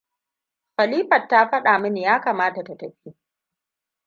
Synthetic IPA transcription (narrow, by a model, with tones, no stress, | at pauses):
xɐ˨liː˦ɸɐ˨tːa˦ɸɐ˦ɗaː˨mɐ˦ni˨jaː˦kaː˨maː˦ta˨ta˨tɐ˨ɸiː˦